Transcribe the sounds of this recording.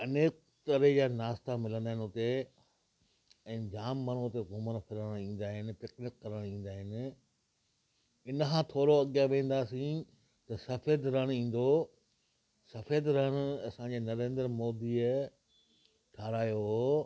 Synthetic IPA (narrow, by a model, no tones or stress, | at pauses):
ɐneːk̚ | t̪ɐɾed͡ʑaːnaːst̪amɪlə̃nd̪aːɦɪnɪɦʊt̪e | ɛ̃ːd͡ʑaːmːəɽ̃uɦʊt̪eɡʊmənfʰɪɾəɽ̃ĩːn̆d̪aːɦɪnɪ̆pɪknɪkːɐɾəɽ̃ĩːn̆d̪aːɦɪnɪ̆ | ɪnkʰãːt̪ʰoːɾoɐɠjaʋẽːn̆d̪aːsĩ | t̪ɐsɐfeːd̪ɾɐɽ̃ĩːn̆d̪o | sɐfeːd̪ɾəɽ̃ʊɐsãd͡ʑeːnɐɾẽːnd̪əɾmoːd̪i | ʈʰaːɾaːjoɦ